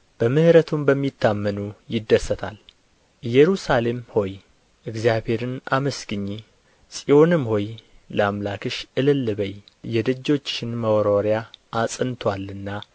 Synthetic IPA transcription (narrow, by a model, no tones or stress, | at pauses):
b̥əmɨhɨɾət̪ʰumbəmːit̪ʰːamːənujɪd̪ːəsːət̪ʰa̰l | ɨjɛɾusale̞mho̞j | ʔɨɡzjabhe̞ɾɨnʔa̰məsɡɨɲːi | sʼio̞nɨmho̞jləamlakʰɨʃɨlɨlːɨβəjjɛd̪ɨd͡ʒːo̞t͡ʃːɪnməwɾo̞ɾjaːsʼɨnt̪ʰwalɨnːa